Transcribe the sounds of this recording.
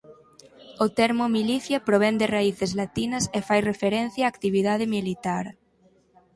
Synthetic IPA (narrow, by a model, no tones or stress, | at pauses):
ot̪ɛɾmʊmiliθjɐpɾoβ̞ɛnd̪ɪraiθezlat̪inɐsefajrefeɾɛn̟θjaaːkt̪iβ̞iðað̞ɪmilit̪aɾ